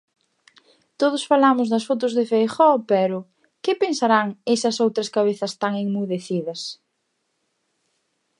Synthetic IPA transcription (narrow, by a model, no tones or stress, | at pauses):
t̪oð̞ʊsfalamʊzðɐsfot̪ʊzðɪfejxɔpɛɾʊ | kɪpensaɾaŋesɐsowt̪ɾɐskaβeθɐst̪aŋeŋmuðeθiðɐs